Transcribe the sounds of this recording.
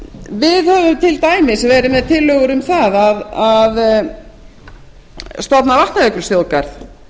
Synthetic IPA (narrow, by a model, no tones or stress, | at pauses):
vɪðhœvʏmt̪ʰɪlt̪aːjmɪsvɛːɾɪmɛðt̪ʰɪlːœɣʏɾʏmθaðaðað | st̪ɔt̪navaht̪naðœkʏɾ̥sjowkaɾθ